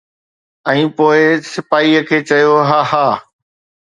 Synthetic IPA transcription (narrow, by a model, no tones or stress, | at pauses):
ɛ̃ːpoːɪsɪfaːiəkʰeːt͡ɕɐjoɦaːhaː